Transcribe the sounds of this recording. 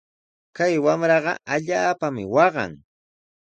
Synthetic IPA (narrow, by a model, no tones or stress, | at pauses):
kajwamɾɑɢɑ̰aʎaːpamɪ̰wɑɢɑ̰ŋ